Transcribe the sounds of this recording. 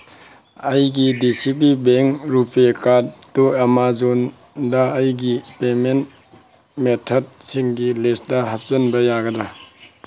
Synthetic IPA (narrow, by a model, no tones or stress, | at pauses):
ɐjɡidisipibeŋɾupekatduamazon | dɐːjɡipement | metʰɔd̚siŋɡilesdɐhap̚sɐnbɐjaɡɐdɾa